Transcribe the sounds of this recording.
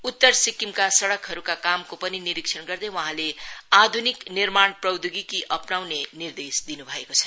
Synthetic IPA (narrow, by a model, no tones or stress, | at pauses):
ut̪ːʌrsikimkasʌɽʌkɦʌɾukakamkopʌniniɾiksʰʌnɡʌrd̪ʌjwʌɦãlead̪ʱuniknirmaɳprʌwd̪ʱuɡikiʔʌpnawnenird̪esd̪inubʱʌekot͡sʰʌ̥